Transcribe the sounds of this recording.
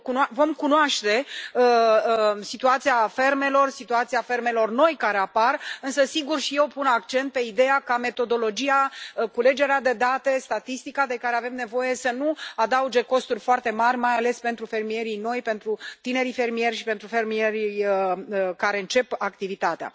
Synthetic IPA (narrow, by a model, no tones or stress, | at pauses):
kunvo̞mkunoaʃt̪e̞ə | sit̪uat̪siafe̞rme̞lo̞rsit̪uat̪siafe̞rme̞lo̞rno̞jkaɾeaparɨnsəsiɡurʃije̞wpunakt͡ʃe̞nt̪̚pe̞id̪e̞jakame̞t̪o̞d̪o̞lo̞d͡ʒijakule̞d͡ʒe̞ɾead̪e̞d̪at̪e̞st̪at̪ist̪ikad̪e̞kaɾe̞ave̞mne̞vo̞je̞sənuad̪aud͡ʒe̞ko̞st̪urʲfoart̪e̞marʲmajale̞spe̞nt̪ɾufe̞rmije̞ɾino̞jpe̞nt̪ɾut̪ine̞ɾife̞rmije̞rʲʃipe̞nt̪ɾufe̞rmie̞ɾʲijəkaɾe̞ɨnt͡ʃe̞pakt̪ivit̪at̪ea̰